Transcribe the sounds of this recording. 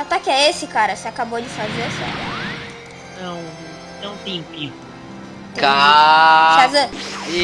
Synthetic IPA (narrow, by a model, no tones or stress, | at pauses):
at̪akɪɛesɪkaɾɐseakabod͡ʒɪfazeɾɐsɛ̰ | nɐ̃w̃ | nɐ̃w̃t̪ẽpĩ | ka | kazɐ